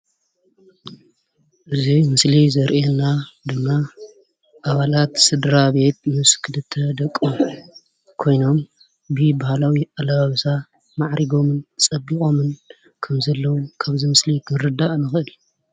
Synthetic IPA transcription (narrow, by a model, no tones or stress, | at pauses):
ʔɨzimɨslizɐɾʔenːad̪ɨmːa | ʔaβalat̪sɨd̪ɾaβe̞t̪mɨskʰɨlɨt̪ʰːɐd̪ɐkʼːu | kʰo̞jno̞m | bɨbahalawiʔalaβaβsa | maʕɾʔiɡo̞mɨnt͡sʼɐbːikʼo̞mɨn | kʰɐmzɐlːɐwumkʰaβzimɨslikʰɨɾɨd̪aʔnɨxɨʔɨl